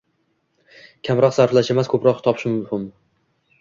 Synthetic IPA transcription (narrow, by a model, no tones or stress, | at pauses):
kʲʰamɾɒqsaɾflaʃe̞maskʰɵpɾɒqt̪ʰɒpʰʃɪmʊmhʊm